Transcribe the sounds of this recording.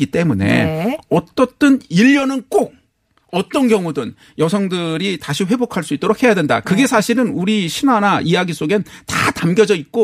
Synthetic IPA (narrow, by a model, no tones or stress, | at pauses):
ɡit͈e̞mune̞̰ʌt͈ʌt͈ɯniʎːʌnɯnk͈oɡ̚ | ʌt͈ʌnkjʌŋudɯn | jʌsʰʌŋdɯɾitaɕʰiɸwe̞bokʰaɭs͈uit͈oɾok̚ʰhe̞jadwe̞nda̰kɯɡe̞sʰaɕʰiɾɯnuɾiɕʰinanaʔijaɡis͈oɡentatamɡjʌd͡ʑʌit̚k͈o